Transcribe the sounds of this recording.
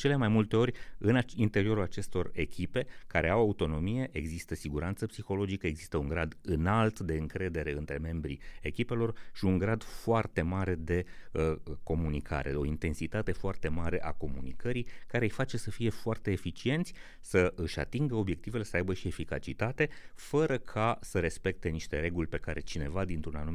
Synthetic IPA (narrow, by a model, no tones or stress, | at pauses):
t͡ʃe̞le̞majmult̪e̞o̞ɾʲɨnaint̪e̞ɾio̞ɾulat͡ʃe̞st̪o̞re̞kʲipe̞kaɾe̞awaut̪o̞no̞mije̞ʔeɡzist̪əsiɡuɾant̪səpsixo̞lo̞d͡ʒikəe̞ɡzist̪əuŋɡɾad̪ɨnalt̪d̪e̞ɨŋkɾe̞d̪e̞ɾe̞ɨnt̪ɾe̞me̞mbɾḭekʲipe̞lo̞rʃiuŋɡɾad̪foart̪e̞maɾe̞d̪e̞ | ko̞munikʰa̰ɾe̞̰o̞int̪e̞nsit̪at̪e̞foart̪e̞maɾe̞ʔa̰ko̞munikəɾikaɾe̞jfat͡ʃe̞səfije̞foart̪e̞ːfit͡ʃie̞nt̪sʲ | səɨʃʲa̰t̪iŋɡəo̞bje̞k̚t̪ive̞le̞səajbəʃie̞fika̰t͡ʃit̪at̪e̞fəɾəkʰasəɾe̞spe̞k̚t̪e̞niʃt̪e̞ɾe̞ɡulʲpe̞kaɾe̞̰t͡ʃine̞vad̪int̪ɾunanum